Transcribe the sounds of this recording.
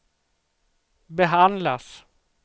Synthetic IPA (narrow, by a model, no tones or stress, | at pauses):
bɛɦand̪las